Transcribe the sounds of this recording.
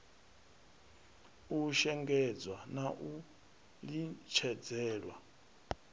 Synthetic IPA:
uʃɛŋɡɛd͡zwanaʔu | lit͡ʃʰɛd͡zɛːɺwa

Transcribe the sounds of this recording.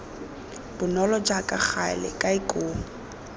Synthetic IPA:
b̥ʊnɔlɔd͡ʒakʼaχʰalɛ̰kʼaikʼoːŋ̩

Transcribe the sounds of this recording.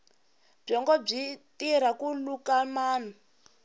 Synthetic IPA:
b͡ʐɔŋɡɔb͡ʐitiɾakulukamaːna

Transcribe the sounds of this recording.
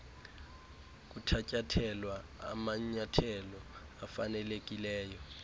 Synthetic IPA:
k̬ʼutʰacʼatʰɛlwaa̰maɲatʰɛlɔ | afanɛlek̬ʼilɛːjɔ

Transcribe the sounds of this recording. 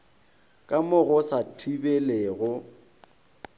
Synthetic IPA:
kʼamʊɣʊsatʰibeleɣʊ

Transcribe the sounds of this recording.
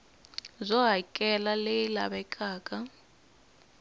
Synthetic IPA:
zʷɔɦakʼɛlalɪlabɛkʼaːkʼa

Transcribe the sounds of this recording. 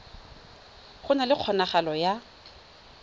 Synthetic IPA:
χʊnalɪq͡χʰɔnaχalɔja

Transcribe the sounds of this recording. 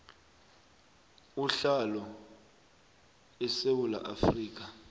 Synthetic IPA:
uɬalɔ | ɛsewula̰ʔafriːk̬a

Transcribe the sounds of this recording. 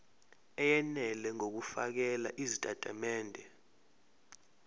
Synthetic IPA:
ɛjɛnɛlɛŋok̬ufak̬ɛla̰ʔizitʼatʼamɛːndʱɛ

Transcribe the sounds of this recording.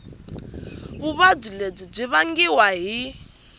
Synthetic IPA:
βuβab͡ʐileb͡ʐib͡ʐʷiβaŋɡiwaɦi

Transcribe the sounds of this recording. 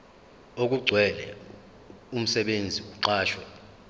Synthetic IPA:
ok̬ʼuɡ͡ǀʱwɛlɛ̰ | um̩sɛɓend͡zʱiuǀaːʃwɛ

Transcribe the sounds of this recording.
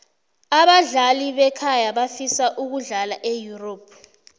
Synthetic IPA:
aɓaɮaliɓɛkʰajaɓafisaʔuk̬uɮalaʔejuroːpʰ

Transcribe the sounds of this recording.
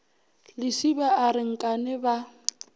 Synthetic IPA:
lɪsibaaɾɪŋ̩kʼanɪba

